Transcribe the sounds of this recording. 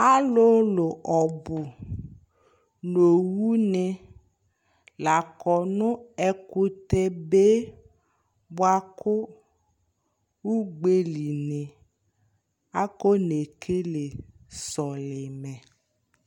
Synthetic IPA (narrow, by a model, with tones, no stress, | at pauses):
a˦lo˦lʊ˨ʔɔ˨bʊ˨ | no˨wu˦nɪ˧ | la˨kɔ˨nʊ˦ɛ˦kʊ˦te˦be˦ | bwa˦kʊ˦ | u˦ɡ͡be˦li˨nɪ˨ | a˦ko˦ne˨kʰe˦le˨sɔ˨lɪ˨mɛ˨